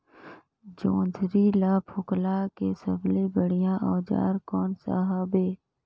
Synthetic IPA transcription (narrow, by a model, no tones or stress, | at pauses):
d͡ʒõːnd̪ʱɾilaːpʰʊklakesəblebəɽ̤ijãʔɔːd͡ʒa̰ːɾkɔːnsa̰ːɦaːbeː